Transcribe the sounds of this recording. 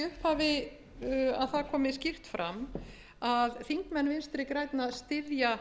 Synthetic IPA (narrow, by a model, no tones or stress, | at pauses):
ʏhphavɪ | aðθaðkʰɔːmɪscir̥t̪fɾa̰m | aðθiŋkmɛnːvɪnst̪ɾɪkɾaːjt̪naðst̪ɪðja